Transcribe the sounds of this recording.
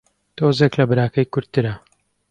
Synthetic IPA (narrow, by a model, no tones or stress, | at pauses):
t̪oːzeklɐbɨɾaːkɐjkʊɾt̪ːɨɾɐ